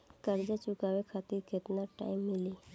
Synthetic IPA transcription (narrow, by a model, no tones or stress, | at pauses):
kəɾd͡ʒat͡ʃʊkaʋekʰat̪iɾket̪naʈa̰imːɪli